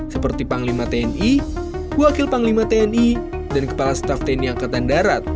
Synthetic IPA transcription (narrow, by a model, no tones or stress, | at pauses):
səpərt̪ipaŋlimat̪eɛni | wakɪlpaŋlimat̪eɛni | dankə̥palasə̥t̪aft̪ɛɛniaŋkat̪andaɾat̪̚